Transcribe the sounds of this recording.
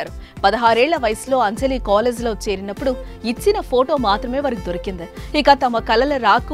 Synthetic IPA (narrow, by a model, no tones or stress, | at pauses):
aːɾupɐðɐɦaːɾeːɭːɐʋɐjɐsloːɐɲd͡ʒɐlikaːleːd͡ʒloːt͡ʃeːɾɪnɐpːʊɽu | ɪt͡ʃːɪnɐfoːʈoːmaːt̪ɾɐmeːʋɐɾɐkːɯd̪ɔɾɐkːɪnd̪ɐikaːt̪ɐmːɐkɐlɐlɐɾaːkːɯ